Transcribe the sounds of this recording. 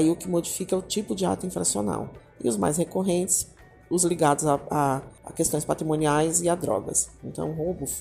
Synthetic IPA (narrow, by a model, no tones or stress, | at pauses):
iʊkɪmod͡ʒifikɐʊt͡ʃipʊd͡ʒɪa̰t̪ʊĩfɾa̰siona̰w | ɪ̰ʊzma̰jshekoɦẽnt͡ʃɪ̥s | ʊzliɡad̪ʊzaa̰kest̪õjspat̪ɾimõniajzɪad̪ɾɔ̰ɡɐ̰sẽnt̪ɐ̰̃w̃ɦobʊ